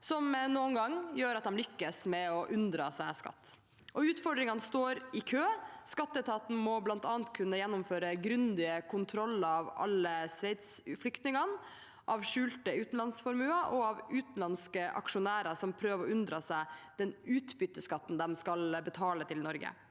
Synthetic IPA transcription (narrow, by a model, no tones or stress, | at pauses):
sɔmnuːnɡɑŋːjøːɾɑt̪̚d̪ɛmlʏkːəsmɛɔʔʉnd̪ɾɑsæɪskɑ̰t̪ː | ʔɔʉːt̪fɔɖɾɪŋɑnəst̪oːɾɪkʰøːskɑt̪ːəɛt̪ʰɑːt̪n̩mɔblɑnt̪ɑːnt̪kʰʉnːəjɛnːʊmføːɾəɡɾʉnd̪ɪəkʰʊnt̪ʰɾɔlːəɑʋɑ̰lːəsʋæɪt̪sflʏkt̪nɪŋɑn | ʔɑʋʂʉːlt̪əʉːt̪n̩lɑnsfɔɾmʉːɑʔɔɑʋʉːt̪n̩lɑnskəʔɑ̰kʂʊnæːɾɑsɔmpʰɾøːʋəɾɔʉnd̪ɾɑsæɪd̪̥ɛnʉːt̪bʏt̪ːəskɑt̪ːn̩d̪ɛmskɑlbət̪ʰɑːlət̪ʰɪlnɔɾɡə̰